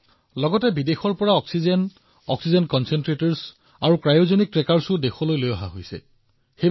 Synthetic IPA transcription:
lɔɡɔtɛbidexɔɹpɔɹaɔksizen | ɔksizɛnkɔnsɛntɹetɔɹs | aɹukɹajozɔnik̚tɹekaɹsʊdexɔlojlojaɦa̰ɦojsɛ̰ | xej

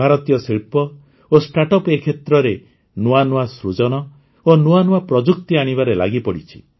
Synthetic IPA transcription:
bʱaɾɔt̪ijɔsiɭpɔ | osʈaʈɔpekʰet̪ɾɔɾe | nuanuasɾud͡ʒɔɽ̃ɔ | onuanuapɾɔd͡ʒuk̚t̪iaɽ̃ibaɾela̰ɡipɔɽit͡ʃʰi̥

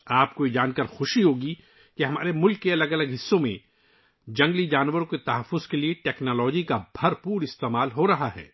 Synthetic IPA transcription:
aːpkoːid͡ʒaːnkəɾxʊʃiɦoːɡi | keɦɐmaːɾemʊlkːeɐləɡɐləɡɦɪsːõmẽ | d͡ʒɐ̃ŋɡlid͡ʒaːnwəɾõket̪ɐɦəfːʊzkelieʈɛːknaːlɔːd͡ʒikabʱɐɾpuːɾɪst̪eːmaːlɦoɾɐɦaɦɛ̰ː

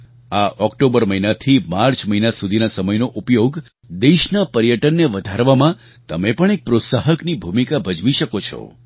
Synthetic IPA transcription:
aʔɔkʈobəɾməɦinat̪ʰimaɾt͡ʃməɦinasud̪ʱinasəməjnoʔupjoɡ | d̪eʃnapəɾjəʈənːeʋəd̪ʱaɾʋamã | t̪əmepəɳek̚pɾot̪saɦəknibʱumikabʱəd͡ʒʋiʃəkot͡ʃʰɔ̰

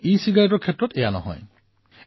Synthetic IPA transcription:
isiɡaɾɔt̬ɔɾkʰetːɾɔtejanɔ̰ɦɔ̰j

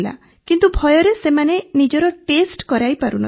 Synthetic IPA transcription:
la̰ | kint̪ubʱɔjɔɾesemanenid͡ʒɔɾɔʈesʈkɔɾajpaɾunɔ

